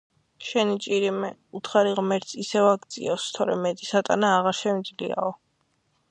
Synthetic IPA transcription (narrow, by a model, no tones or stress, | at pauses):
ʃɛnit͡ʃʼiɾimɛut̪ʰχaɾiʁmɛɾt̪sʰisɛvaɡd̪sʼḭɔst̪ʰɔɾɛmɛt̪ʼisat̪ʼa̰naːʁaɾʃɛmid̪zlḭa̰ɔ